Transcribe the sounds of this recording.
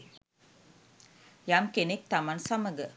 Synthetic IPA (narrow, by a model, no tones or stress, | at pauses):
jamkenek̚t̪amansaməɡə